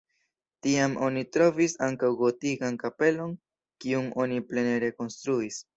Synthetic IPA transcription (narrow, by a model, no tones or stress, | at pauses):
tiamʔo̞nitɾo̞visaŋkawɡo̞tiɡankape̞lo̞n | kiuŋo̞niple̞neɾe̞ko̞nstɾuis